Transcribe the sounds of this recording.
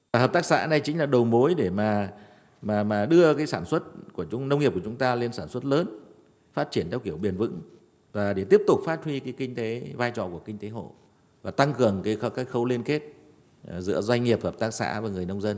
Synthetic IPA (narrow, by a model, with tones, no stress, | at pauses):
vaː˨˩ɦəː˨˩pt̪aː˦˥ksa̰ː˧˥na˨˩jt͡ɕï˨˦ŋ̟laː˨˩ɗə˨˩wmo˨˦jɗe˧˩maː˨˩ | maː˨˩maː˨˩ɗɨ˧əkaː˨˦jsaː˧˩nswə˦˥t̚ku˧˩ət͡ɕʊ˨˦ŋ͡mnə˧wŋ͡mŋ˨˩p̚ku˧˩t͡ɕʊ˨˦ŋ͡mt̪aː˧le˧nsaː˧˩nswə˦˥t̚ləː˨˦n | faː˦˥t̚t͡ɕi˧˩ənt̪ʰɛ˧wki˧˩əwɓi˨˩ənvɨ̰˧˥ŋ | vaː˨˩ɗe˧˩t̪i˦˥əp̚t̪ʊ˨˩k͡p̚faː˦˥t̚hwi˧kaː˨˦jkï˧ŋ̟t̪e˨˦vaː˧jt͡ɕɔ̰˧˨ku˧˩əkï˧ŋ̟t̪e˨˦ɦo̰˧˨ | vaː˨˩t̪a˧ŋkɨ˨˩əŋkaː˨˦jkaː˦˥k̚xə˧wli˧ənke˦˥t̚ | zɨ̰˧˥əzwa˧jŋ̟ŋi˨˩əp̚həː˨˩p̚t̪aː˦˥k̚sa̰ː˧˥vəː˨˦ŋɨ˨˩əjnə˧wŋ͡mzə˧n